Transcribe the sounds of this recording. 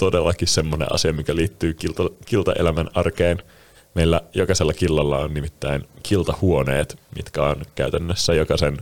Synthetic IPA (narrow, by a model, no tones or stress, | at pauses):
t̪odelːɑkissemːonḛʔɑ̰siɑmikæliːt̪ːyːkilt̪ɑkilt̪ɑ̰ʔḛlæmænɑrkeːn | meilːæjokɑselːɑkilːɑlːɑonnimit̪ːæinkʰilt̪ɑhuonḛːt̪mḭt̪kæonkæyt̪ænːøsːæjokɑsen